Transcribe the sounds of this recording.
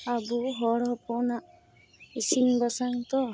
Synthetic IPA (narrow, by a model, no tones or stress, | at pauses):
abuɦɔɽɔpʰɔnaʔ | isiŋbasaŋt̪ɔ